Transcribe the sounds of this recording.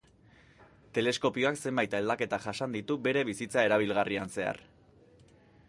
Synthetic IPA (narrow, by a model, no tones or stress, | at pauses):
t̪e̞le̞sko̞pio̞akse̞mbajt̪ae̞ld̪ake̞t̪aʝaʃand̪it̪ube̞ɾe̞βisit͡sae̞ɾaβ̞ilɣarianse̞a̰r